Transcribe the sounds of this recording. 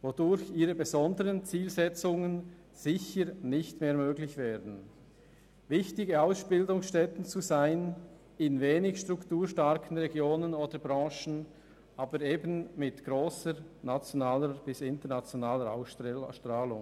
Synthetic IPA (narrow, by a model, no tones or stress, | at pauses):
vodʊɾçiːʁəbezɔndəʁənt͡siːlzɛt͡sʊŋən | z̥ɪçəɾnɪçtmeːɐmøːɡlɪçv̥eːɐdn̩ | vɪçtɪɡəaʊsb̥ɪldʊŋsʃtɛtn̩t͡suzaɪn | ɪnveːnɪçʃtʁ̥ʊktuːɾʃtaɐkʰən̩ʁɛɡjoːnənoːdəbʁɑ̃ːʃn̩ | ʔaːbəɾeːbn̩mɪtɡ̥ʁoːsənat͡sjonaːləb̥ɪsɪntənat͡sjonaːləa̰ʊsʃtʁaːlʊ̰ŋ